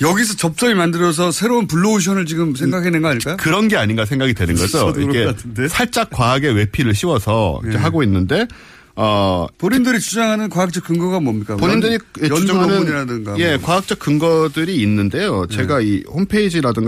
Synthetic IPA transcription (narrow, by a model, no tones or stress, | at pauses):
jʌɡis̬ʰʌt͡ɕʌp̚s͈ʌɾimandɯɾʌs̬ʰʌsʰe̞ɾounpuɭːouɕ̬ʰʌnɯɭt͡ɕiɡɯmsʰeŋɡakʰenɯnɡʌaɲik͈ajkɯɾʌnɡe̞aɲinɡas̬ʰe̞ŋɡaɡidwe̞nɯnɡʌd͡ʑoḭkesʰaɭt͡ɕ͈ak̚k͈waːɡe̞we̞pʰiɾɯɭɕʰiwʌsʰʌḭd͡ʑeɦaɡoinːɯnde̞ | ʌpoɲindɯɾit͡ɕud͡ʑaŋɦanɯnkwaak̚t͡ɕ͈ʌk͈ɯŋɡʌɡamwʌmɲik͈apoɲindɯɾijet͡ɕud͡ʑaŋɦanɯnɲiɾadɯŋɡaje̞kwaak̚t͡ɕ͈ʌk͈̚ɯŋɡʌdɯɾiːnːɯnde̞jot͡ɕe̞ɡaihompʰeid͡ʑiɾadɯŋɡ